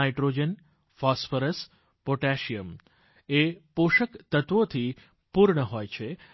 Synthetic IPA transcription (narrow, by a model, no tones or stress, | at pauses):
ajʈɾod͡ʒən | fɔsfəɾəs | poʈæʃijəm | epoʃəkt̪ət̪ʋot̪ʰi | puɾɳəɦojt͡ʃʰe